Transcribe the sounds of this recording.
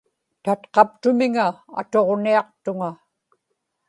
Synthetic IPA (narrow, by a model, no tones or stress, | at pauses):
t̪at̪qɑp̚t̪ʊmɪŋaa̰t̪o̞ʁniɑqt̪ʊŋa